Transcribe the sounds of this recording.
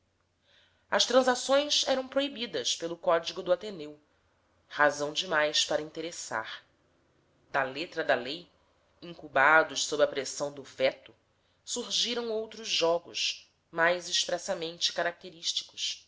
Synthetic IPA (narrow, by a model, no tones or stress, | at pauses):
ɐst̪ɾɐ̃zasõj̃sɛɾɐ̃w̃pɾoibid̪ɐspelʊkɔd͡ʒiɡʊd̪ʊat̪enew | hazɐ̃w̃d͡ʒɪmajspaɾɐĩnt̪eɾesa̰ɾ | d̪ɐlet̪ɾɐd̪ɐlej | ĩŋkubad̪ʊʃsobɾɐpɾesɐ̃w̃d̪ʊvɛt̪ʊ | suɾʒiɾɐ̃w̃owt̪ɾʊzʒɔɡʊʃ | majzɪʃpɾɛsɐmẽnt͡ʃɪ̥kaɾak̚t̪eɾiʃt͡ʃi̥kʊ̥ʃ